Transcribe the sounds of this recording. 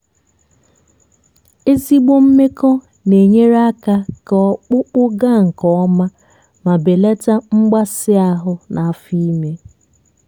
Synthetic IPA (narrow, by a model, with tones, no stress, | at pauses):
e˦zi˦ɡ͡bo˦m̩˦me˦kɔ˦ | ne˨ɲe˦ɾa˦ka˦kɔ˨˦k͡pʊ˦k͡pʊ˦ɡa˦˨ŋ̩˨kɔ˦ɔ˦ma˦ | ma˨be˨le˦ta˦ŋ͡m̩˦ɡ͡ba˦sɪ˦a˦ɦʊ˦nʔa˨a˨fi˦i˦me˦